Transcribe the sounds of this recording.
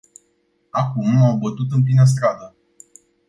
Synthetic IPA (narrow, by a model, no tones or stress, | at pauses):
akumambət̪ut̪ɨmp̬linəs̬t̪ɾad̪ə